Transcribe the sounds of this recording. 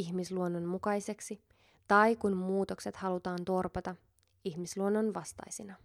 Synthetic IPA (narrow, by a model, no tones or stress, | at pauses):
içmisluonːonmukɑjse̞ksi | t̪ɑjkunmuːt̪o̞kse̞t̪hɑlut̪ɑːnt̪o̞rpɑt̪ɑ | içmisluonːonʋɑst̪ɑ̰jsinɑ